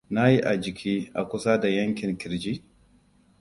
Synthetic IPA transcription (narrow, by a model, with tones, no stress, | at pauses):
na˦ji˦ʔa˨d͡ʒɪ˨kʲʰiː˦ʔa˨kʷʊ˦sa˦da˨jɐ˦ŋkʲɪ˨ŋkʲɪ˨ɾd͡ʒiː˦